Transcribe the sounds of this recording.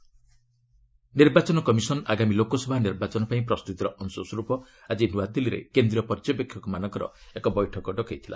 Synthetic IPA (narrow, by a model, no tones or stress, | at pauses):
niɾbat͡ʃɔnɔkɔmisɔnaɡamilokɔsɔbʱaniɾbat͡ʃɔnɔpaĩpɾɔst̪ut̪iɾɔʔɔnsɔsɔɾupɔ | ad͡ʒinuwat̪iliɾḛkend̪ɾiɔpɔɾd͡ʒɔpekʰːjɔkumanɔŋkɔɾɔ̰ekɔbɔjʈʰɔkɔɖɔkajt̪ʰila̰